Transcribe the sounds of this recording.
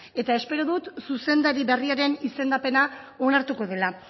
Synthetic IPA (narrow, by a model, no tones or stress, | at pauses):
e̞t̪ae̞spe̞ɾoðut̪suse̞nd̪aɾiβe̞riaɾe̞nise̞nd̪ape̞na | o̞naɾt̪uko̞ðe̞la